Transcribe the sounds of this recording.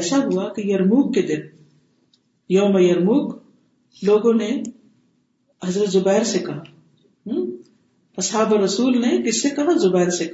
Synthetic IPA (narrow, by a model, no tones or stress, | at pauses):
saɦuakijɐɾmuːɡ̚ked̪ɪn | joɦmejɐɾmuːɡ | loːɡõne | ɦɐzɾət̪zʊbɛːɾsekɐɦa | ɦ | ɐsaːbəɾɐsuːlnekɪsekɐɦãzʊbɛɪɾsek